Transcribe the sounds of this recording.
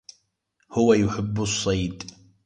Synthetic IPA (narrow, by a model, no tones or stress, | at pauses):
hʊwajʊħɪbːsˤːɑjd̪